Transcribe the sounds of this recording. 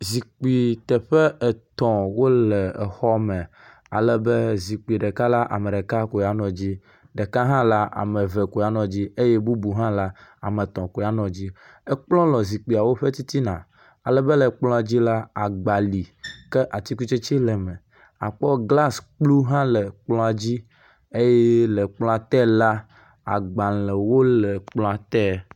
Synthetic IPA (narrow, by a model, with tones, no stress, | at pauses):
zi˨k͡pi˨t̪ɛ˨ɸɛ˦ɛ˨t̪ɔ̃˨wo˦lɛ˨ɛ˨xɔ˦mɛ̃˨ | a̰˨lɛ˦be˦zi˨k͡pi˨ɖe˨ka˦la˦ʔa̰˨me˨ɖe˨ka˦ko˨ja˨nɔ̃˨d͡ʑi˦ | ɖe˨ka˦ɦã˦la˦a̰˨mɛ̃˨vɛ˨ko˨ja˦nɔ̃˨d͡ʑi˦e˦je˦bu˦bu˨ɦã˦la˦a̰˨me˨t̪ɔ̃˨ko˨ja˦nɔ̃˨d͡ʑi˦ | e˦k͡plɔ̃˦lɔ˨zi˨k͡pi˨a˨wo˦ɸe˦t̪i˦t̪i˦nã̰˨ | a˨lɛ˨be˦lɛ˨k͡plɔ̃˦a˨d͡ʑi˦la˦a˨ɡ͡ba˨li˨ke˦ʔa˨t̪i˦ku˦t͡ʃe˦t͡ʃi˦lɛ˨mẽ˨ | a˨k͡pɔ˦ɡla˦sk͡plu˦ɦã˦lɛ˨k͡plɔ̃˦a˨d͡ʑi˦ | e˦jɛ˦le˨k͡plɔ̃˦a˨t̪ɛ˦la˦ | a̰˨ɡ͡ba˨lɛ˨wo˦lɛ˨k͡plɔ̃˦a˨t̪ɛ˦